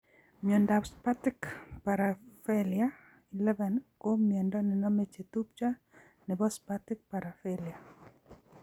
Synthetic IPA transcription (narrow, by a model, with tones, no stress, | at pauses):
mjo˨ndapspa˦tɪ˦kpa˨ɾafɛlia | i˨lɛ˦vɛ˨nko˦miɛ˨ndɔ˦nɪ˨nɔ˦me˨t͡ʃe˨t̪u˦p̚t͡ʃa˦ | nɪ˨bɔ˦spatɪ˦k̚pa˨ɾa˨fɛlia˨